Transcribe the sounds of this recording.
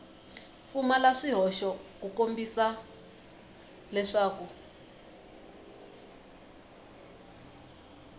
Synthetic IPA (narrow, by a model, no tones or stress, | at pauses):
fumalaʂiɦɔʃɔkukombisa | lɛʂaːku